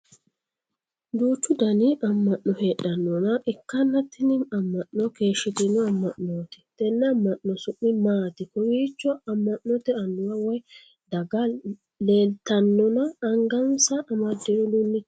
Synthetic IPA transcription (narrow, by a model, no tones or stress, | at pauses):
d̪uːt͡ʃːʊd̪ɐniɐmːɐʔnɔheːɗɐnːɔnɐʔɪkːɐnːɐt̪ːɪnɪnɐmːɐʔnːɔkeːʃːɪt̪ɪnːɔɐmːɐʔnoːt̪ɛ̥t̪ɛnːɛɐmːɐʔːɔsʊʔːɪmaːt̪ɪkɔwiːt͡ʃːɔɐmːɐʔnɔt̪ɛɐnːʊwɐwɔj | d̪ɐɡɐ | le̞ːlt̪ɐnːɔnɐːŋɡɐnsɐʔːmɐd̪ːɪnɔdʊnːɪ